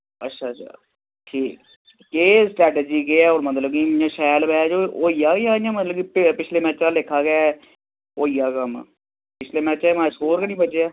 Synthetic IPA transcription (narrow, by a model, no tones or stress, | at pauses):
ətːʃʰaːa̰ː | ʈʰiːk̚ː | eːsʈɾɛːʈeːd͡ʒiːɡeɛːoːɾmət̪ləb̚kiãːʃɛːlbɛːd͡ʒoːoːijaːɡejaːãːmət̪ləbkiːpɪpɪt͡ʃʰleːmɛ̃ːt͡ʃãːlɪkʰːaːɡɪjaː | oːijaːkəm̰ | pɪt͡ʃʰleːmɛ̃ːt͡ʃɛːmãːsɦoːɾkənĩːbət͡ʃeaː